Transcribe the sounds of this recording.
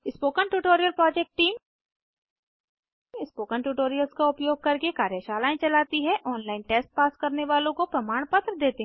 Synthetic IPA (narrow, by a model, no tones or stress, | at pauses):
ɪspoːkənʈuːʈoːɾijəlpɾɔːd͡ʒɛk̚ʈʈiːm | ɪspoːkəɳʈuːʈoːɾijəlskaʊpjoːɡ̚kɐɾkekaːɾjəʃaːlaːẽt͡ʃɐlaːt̪iɦɛʔɔːnlaːɪnʈeːsʈ̚paːskɐɾneʋaːlõkopɾɐmaːɽ̃pɐt̪ɾəd̪eːt̪eɦ